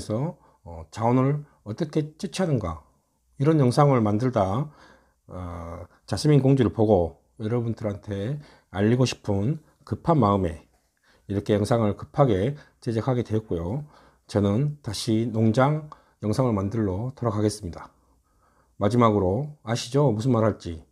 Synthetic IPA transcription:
sʰʌ | ʌt͡ɕaonɯɾ | ʌt͈ʌkʰe̞t͡ɕ͈ɯt͡ɕʰɦanɯnɡa | iɾʌnjʌŋsʰaŋɯɭmandɯɭda | t͡ɕasʰiminkoŋd͡ʑuɾɯɭpoɡo | jʌɾʌbundɯɾantʰe̞ | aʎːiɡoɕʰi̥pʰɯn | kɯpʰanmaɯme̞ | iɾʌkʰe̞jʌŋsʰaŋɯɭkɯ̥pʰaɡe̞ | t͡ɕed͡ʑekʰaɡe̞dwe̞jʌt̚k͈ojo | t͡ɕʌnɯntaɕʰinoŋd͡ʑaŋ | jʌŋsʰaŋɯɭmandɯɭːotʌɾʌkaɡe̞s͈ɯmɲida | mad͡ʑimaɡɯɾoaɕʰid͡ʑomus̬ʰɯnmaɾɦaɭt͡ɕ͈i

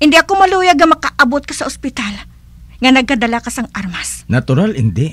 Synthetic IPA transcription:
ʔɪnd̪iʔɐkomɐluːjɐɡ̚ɐmɐkaʔɐbot̪̚kɐsɐʔʊspɪt̪al | ŋɐnɐɡ̚kɐd̪ɐlakɐsɐŋʔaɾmasnɐt̪ʊɾalɪnd̪ɛ

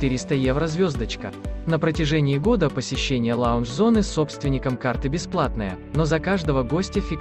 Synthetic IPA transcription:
t̪ɨɾʲɪst̪əjevɾəzvʲo̞zd̪ət͡ɕkə̰nəpɾətʲɪʐɛnʲɪːɡo̞d̪əpəsʲɪɕːenʲɪjəlˠaʊnʐzo̞nɨso̞pst̪vʲɪnʲɪkəmkart̪ɨbʲɪsplˠat̪nəjə̰ | nozɐkaʐd̪əvəɡo̞sʲtʲɪfʲɪk

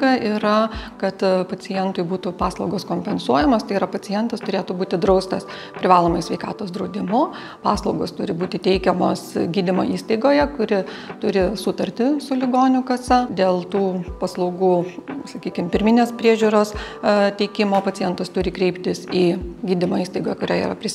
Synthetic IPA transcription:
kɐʔiɾɐkɐt̪pɐt͡s̪ʲɪjɛnt̪ʊɪbuːt̪ʊpɑːslˠɐʊɡoːskoːmʲpʲɛnsuɔjɛmoːst̪ɐɪiɾɐpɐt͡s̪ʲɪjɛnt̪ɐst̪ʊɾʲeːt̪ʊbuːt̪ʲɪd̪ɾɐʊst̪ɐs | pʲɾʲɪʋɑːlˠoːmɐɪsʲʋʲɛɪkɑːt̪oːsd̪ɾɐʊd̪ʲɪmʊ | pɑːslˠɒʊɡoːst̪ʊɾʲɪbuːt̪ʲɪt̪ʲɛɪkʲɛmo̰ːsɡʲiːd̪ʲɪmo̰ːʔiːst̪ɐɪɡoːjɛkʊɾʲɪ | t̪ʊɾʲɪsʊt̪ɐɾʲt̪ʲɪsʊlʲɪɡoːnʲʊkɐsɐd̪ʲeːlˠt̪uːpɐslˠɔʊɡuːsɐkʲiːkʲɪmpʲɪɾʲmʲɪnʲeːspʲɾʲiɛʒʲuːɾoːst̪ʲɛɪkʲɪmoːpɐt͡s̪ʲɪjɛnt̪ɐst̪ʊɾʲɪkɾʲɛɪpt̪ʲɪsiːɡʲiːd̪ʲɪmoːiːst̪ɐɪɡoːjɛkʊɾʲæːḭːrɐ̰pʲɾʲɪ

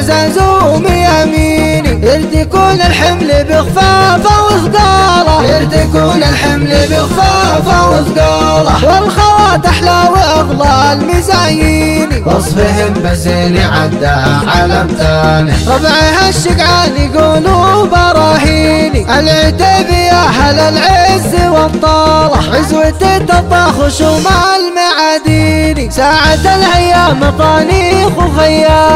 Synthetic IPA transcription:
zazumɪjamiːniʔɪlt̪ijkuːnɪlħɪmlibɪɣfaːfawɪzˤɡɑːlɑʔɪlt̪ijkuːnɪlħɪmlibɪɣfaːfawɪzˤɡɑːlɑwɪlxawaːt̪ɪħlaːwiʔɑɣlɑʔalmɪzajiːniwɑsˤfɪɦɪmbazeːniʕad̪ːaʕalamt̪aːnɪɾˤɑfʕhaʃːɪɡʕaːniɡuːlubɑɾˤɑːɦiːniʔalʕɪt̪aːbɪjaɦalalʕɪzːiwɑt̪ˤːɑːlʕɪzwɪt̪et̪ɑt̪ˤːɑxʊʃuːmaʔalmaʕaːd̪iːnisaːʕad̪alhajːaːmɑqɑːniːxxajːa

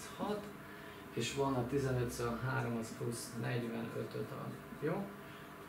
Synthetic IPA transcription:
hɒt̪ | eːʃʋɒnɒt̪izɛnøt̪sɒnɦaːɾomsplusnɛɟʋɛnø̰t̪øt̪ɒ̰ | joː

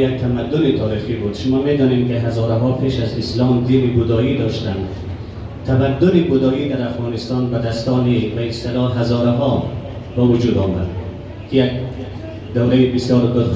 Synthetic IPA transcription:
jak̚t̪ʰamad̪ːʊnit̪ʰɒːɾiχiːbud̪ʃʊmɔːmed̪ɔːnemkiɦazɒːɾaɦɒːpʰeːʃazislɒːmd̪iːɾibʊd̪ɒːiːd̪ɒːʃt̪and̪ | t̪ʰabad̪ːʊnibʊd̪ɔːiːd̪æɾafɣɑːnist̪ɑːnbad̪æst̪ɒːnibæist̪elɒːɦazɒːɾaɦɒː | bævʊd͡ʒuːd̪ɔːmad̪̚ | kʰijak̚ | d̪awɾajibisjɒːɾd̪ʊɾ

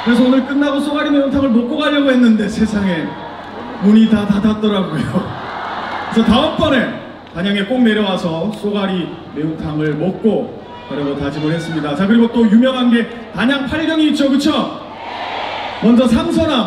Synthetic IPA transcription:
kɯɾe̞s̬ʰʌonɯɭk͈ɯnːaɡos͈oɡaɾime̞untʰaŋɯɭmok̚k͈oɡaʎːʌɡoɦe̞nːɯnde̞sʰe̞sʰaŋe̞ | muɲitatatat̚t͈ʌɾaɡojo | kɯɾesʰʌtaʌmp͈ʌne̞ | kaɲaŋe̞k͈ok̚ne̞ɾjʌwasʰʌs͈oɡaɾi | me̞untʰaŋɯɭmok̚k͈o | kaɾjʌɡʌtad͡ʑimɯɭɦe̞s͈ɯmɲidat͡ɕakɯɾiɡot͈ojumjʌŋɦanɡe̞ | kaɲaŋpʰaɭɡjʌŋiːt̚t͡ɕ͈okɯt͡ɕʰo | wʌnd͡ʑʌsʰamsʰʌɾam

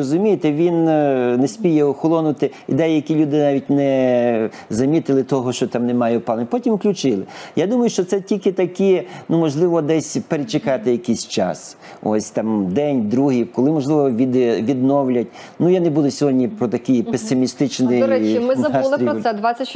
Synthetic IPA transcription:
ɔzʊmʲijet̪ɛʋʲinnɛsʲpʲijɛɔxɔlˠɔnʊt̪ɪḭd̪ɛjjɐkʲilʲud̪ɪnɑʋʲit̚ʲnɛ | zɐmʲit̪ɪlˠɪt̪ɔɦɔʃt͡ʃɔt̪ɑmnemɑjɛpɑlˠnʲpɔtʲimwklʲut͡ʃɪlˠɪjad̪umɐjʊʃt͡ʃɔt̪sɛtʲilʲkɪt̪ɐkʲinumɔʒlˠɪʋɔd̪ɛsʲpeɾet͡ʃekɑt̪ɪjɐkisʲt͡ʃɑ̰s | ɔ̰sʲt̪ɑmd̪ɛnʲd̪ɾuɦiwkɔlˠɪmɔʒlˠɪʋɔʋʲid̪ʋʲid̪nɔwlʲɐtʲ | nujanebud̪ʊsʲɔɦɔdʲnʲipɾɔt̪ɐkɪjpesɪmʲist̪ɪt͡ʃnɪɛɪmaɾʲɛd̪ʋasʲɐ

